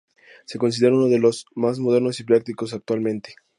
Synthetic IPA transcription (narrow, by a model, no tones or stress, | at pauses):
se̞ko̞ns̬iðe̞ɾaunoðe̞lo̞zmazmo̞ðe̞ɾno̞siplak̚t̪iko̞s̬ak̚t̪walmẽ̞nt̪e̞̥